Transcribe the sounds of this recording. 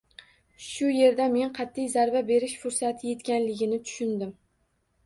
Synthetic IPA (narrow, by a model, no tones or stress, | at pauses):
ʃʊje̞ɾd̪ame̞nqʰɑt̪ʰːijzaɾbabe̞ɾɪʃfʊɾsat̪ʰɪje̞t̪kʲanlɪɡʲɪnɪt̪ʰʊ̥ʃʊnd̪ɪm